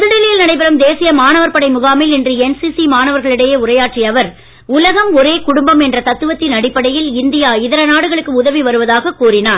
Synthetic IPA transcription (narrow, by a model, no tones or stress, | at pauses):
pðɯɽɪlɐjɪlnɐɽɐɪp̬ɪɾɐmd̪eːsɪjɐmaːnɐʋɐɾpɐɽɐɪmʊɣaːmɪlɛndrɯɛnsisimaːnɐʋɐɾɣɐɭɪɽɐjeːʊrɐjaːʈriɐʋɐɾ | ʊlɐɣɐmɔɾeːkʊɽʊmbɐmɛndrɐt̪ɐt̪ːɯʋɐt̪ːɪnɐɽɪpːɐɽɐjɪlɪnd̪ɪjaːɪðɐɾɐnaːɽɯɣɐɭɯkːɯʊðɐʋiʋɐɾɯʋɐðaːɣɐkːuːrɪnaː